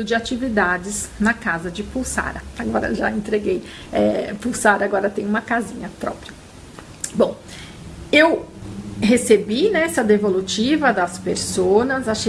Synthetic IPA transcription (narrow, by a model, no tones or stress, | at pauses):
ʊd͡ʒɪat͡ʃivid̪ad͡ʒɪznɐkazɐd͡ʒɪpuwsa̰ɾɐaɡɔɾɐ̰ʒaẽnt̪ɾeɡej | ɛpuwsaɾɐaɡɔɾɐt̪ẽj̃ũmɐkazĩɲɐpɾɔ̰pɾiɐ | bõw̃ | ew | hesebinɛɛsɐd̪evolut͡ʃivɐd̪ɐspeɾsonɐzaʃe